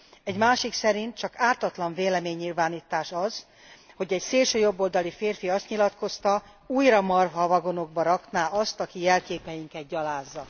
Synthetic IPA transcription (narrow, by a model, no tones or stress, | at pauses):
ɛɟmaːʃiksɛɾint̪̚t͡ʃɒkaːt̪ɒt̪lɒɱveːlɛmeːɲːilvaːniːt̪aːʃɒz̥ | ho̞ɟɛɟseːlʃøːjo̞bːo̞ld̪ɒlifeːrfiɒst̪ɲilɒt̪ko̞st̪ɒ | uːjrɒmɒrɦɒvɒɡo̞no̞ɡ̚bɒɾɒknaːʔɒst̪ɒkijɛlkeːpɛjiŋkɛt̪̚ɟɒlaːzːɒ